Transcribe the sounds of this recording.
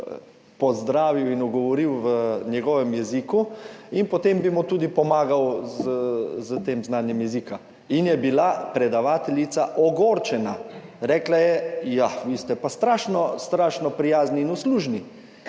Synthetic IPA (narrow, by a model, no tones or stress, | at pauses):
pɔzd̪ɾaːʋiwinuɡɔʋɔɾiwʋənjɛɡɔʋɛmjɛzikuinpɔt̪embimɔt̪uːd̪ipɔmaːɡawzəzət̪eːmznaːnjɛmjɛzika | injɛbilapɾɛd̪aʋaːt̪ɛljit̪saʔɔɡoːɾt͡ʃɛnaɾɛːklajɛjaʋiːst̪ɛpast̪ɾaːʃnɔst̪ɾaːʃnɔpɾijaːzniːnusluʒni